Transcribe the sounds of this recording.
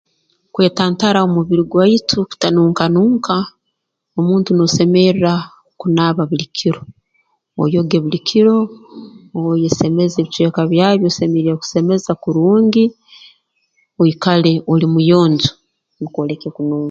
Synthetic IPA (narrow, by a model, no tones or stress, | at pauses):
kwe̞ːtaːntaɾaomuβiɾiɡwaitʰuku̥tanuːŋkanuːŋka | omuːntuno̞se̞meɾiɾa | kunaβaβulikʰiɾo̞ | o̰jo̞ɡe̞βulikʰiɾo̞ː | jese̞me̞zeβit͡ʃwe̞ːkaβjaβjosemeɾiɾaku̥se̞me̞zakuɾuːŋɡi | oikale̞ʔolimujo̞ːɲzo | nikolekekunuːŋa